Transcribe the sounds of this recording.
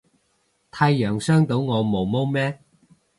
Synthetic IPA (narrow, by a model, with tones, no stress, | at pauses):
t̪ʰaː˧jjœː˨˩ŋsœː˥ŋt̪o˨˥wŋɔː˨˧mo˨˧wmo˥wmɛː˥